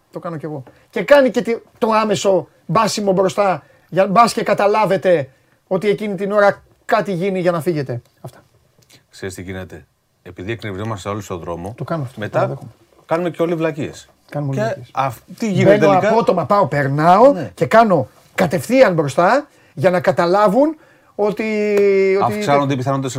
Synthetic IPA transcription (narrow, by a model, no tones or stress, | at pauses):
t̪o̞kɐnoce̞ɣo̞ | ce̞kɐnice̞t̪it̪o̞ɐme̞so̞ | bɐsimo̞bɾo̞st̪ɐ | ʝɐbɐsce̞kɐt̪ɐlɐve̞t̪e̞ | o̞t̪ie̞cinit̪ino̞ɾɐ | kɐt̪iʝiniʝɐnɐfiʝe̞t̪e̞ | ɐft̪ɐ̥ | kseɾist̪iʝinet̪e | epiðiekniɾizomɐst̪eo̞list̪oðɾo̞mo̞t̪okɐnoɐft̪omet̪ɐ | kɐnume̞ceo̞livlɐcie̞̰s | kɐnumeisɐt̪iʝinenoɐpo̞t̪o̞mɐpɐo̞pe̞ɾnɐo̞ce̞kɐno̞ | kɐt̪e̞fθiɐnbɾo̞st̪ɐ | ʝɐnɐkɐt̪ɐlɐvun | o̞t̪iot̪ifksɐnod̪epiθɐnod̪es